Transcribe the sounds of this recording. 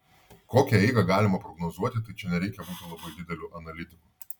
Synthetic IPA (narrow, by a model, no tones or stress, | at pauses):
koːkʲɛɛɪɡɐɡɑːlʲɪmɐpɾɔɡnɔzuɔt̪ʲɪt̪ɐɪt͡ʃʲɛnʲɛɾʲɛɪkʲɛbuːt̪ʲɪlˠɐbɐɪd̪ʲɪd̪ʲɛlʲuʔɐnɐlʲɪt̪ʲɪku